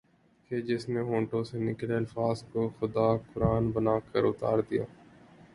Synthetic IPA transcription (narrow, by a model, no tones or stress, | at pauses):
keːd͡ʒɪsneːɦõːɳʈõːseːnɪkleːɐlfaːzkoːxʊd̪aːkʊɾaːnbənaːkəɾʊt̪aːɾd̪ɪja̰ː